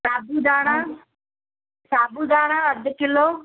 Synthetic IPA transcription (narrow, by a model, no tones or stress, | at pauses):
saːbud̪aːɽ̃a | saːbud̪ʱaːɽ̃ãɐd̪ʱʊ̆kɪloː